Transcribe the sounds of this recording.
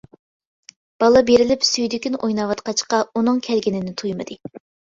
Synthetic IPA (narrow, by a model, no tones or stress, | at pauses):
b̥ɑlˠɑbeɾɪlɪpsyjd̪ɪkʲynojnɑwɑt̪qɑt͡ʃqɑunɨŋkʲʰɛlɡʲinɪnɪt̪ʰujmɨd̪ɨ